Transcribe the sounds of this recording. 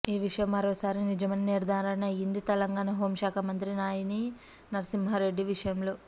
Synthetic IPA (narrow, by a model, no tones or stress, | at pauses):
iːʋiʂɐjɐmːɐɾoːsaːɾinid͡ʒɐmɐniniɾd̪ʱaːɾɐnɐjind̪it̪ɛlɐŋɡaːnɐɦoːmʃaːkʰɐmɐnt̪ɾinaːjini | nɐɾɐsimɦɐɾe̞ɖːiʋiʂɐjɐmlo̞ː